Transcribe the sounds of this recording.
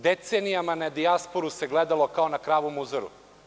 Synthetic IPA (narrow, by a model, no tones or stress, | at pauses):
d̪et̪seːnijamanad̪iaspo̞ɾuse̞ɡled̪alˠo̞kao̞nakɾaːʋomuzoɾṵ